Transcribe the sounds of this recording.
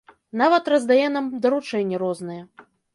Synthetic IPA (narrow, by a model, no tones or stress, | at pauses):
navɐt̪rɐzd̪ajɛnamd̪ɐɾut͡ʂɛnʲːɛɾɔznɨjɛ